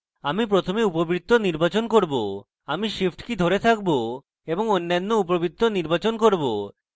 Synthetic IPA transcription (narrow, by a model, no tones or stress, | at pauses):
amipɾot̪ʰomeupobɾit̪ːoniɾbat͡ɕonkoɾbo | amiʃipʰʈkid̪ʱoɾet̪ʰak̚bo | eboŋonːanːoupobit̪ʰːoniɾbat͡ɕonkoɾbo